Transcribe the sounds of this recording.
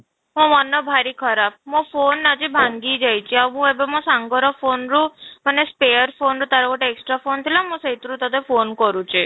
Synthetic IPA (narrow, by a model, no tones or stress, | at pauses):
ɦũʋɔnːɔbʱaɾikʰɔɾap̚mõfonad͡ʒibʱaŋɡid͡ʒajt͡ʃʰiaʋɦũebemɔ̃saŋɡɔɾɔfʰonɾũmanespejəɾfʰonɾut̪aɾɔkɔʈeeksʈɾafʰont̪ʰilãmũsejt̪ɾũt̪ɔt̪efonkɔɾũt͡ʃʰi